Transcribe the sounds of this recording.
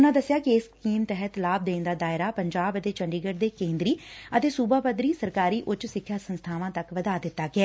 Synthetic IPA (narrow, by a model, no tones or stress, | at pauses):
ʊnãːd̪əsɪjaːkɪɪskiːmt̪ɛɦət̪laːb̚d̪eːnd̪aːd̪aːɪɾaːpəɲd͡ʒaːbət̪eːt͡ʃəɳɖiːɡəɖd̪eːkẽːnd̪ɾiːət̪eːsuːbaːpəd̪ɾiːsəɾkaːɾiːʔʊt͡ʃsɪkʰːjaːsənst̪ʰaːʋãːt̪əkʋəd̪aːd̪ɪt̪ːaːɡɪɛː